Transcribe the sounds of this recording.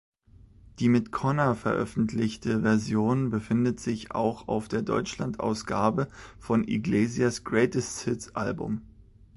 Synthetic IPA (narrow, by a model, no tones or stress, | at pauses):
d̥iːmɪtkʰɔnafɛɐʔœ̰fn̩tʰlɪçtəvɛɐzjoːnbəfɪndətz̥ɪça̰ʊxa̰ʊfd̥eːɐdɔ̰ʏt͡ʃlantʔa̰ʊsɡ̥aːbəfɔnʔḭɡleːziasɡ̥ʁɛːtəstsɪtʔa̰lbʊ̰m